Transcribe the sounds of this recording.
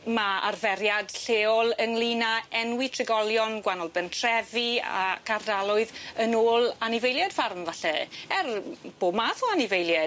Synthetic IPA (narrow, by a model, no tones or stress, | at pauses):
maa̰rvɛɾjad̥ɬeːɔlˠəŋlinaɛnwitʰrɪɡɔlˠjɔnɡwanɔlˠbəntʰr̥ɛvia̰kʰardalˠʊɨðənoːlˠanɪvejlˠjɛd̥farmvaɬɛɛrb̥oːbmaθɔanɪvejlˠjɛ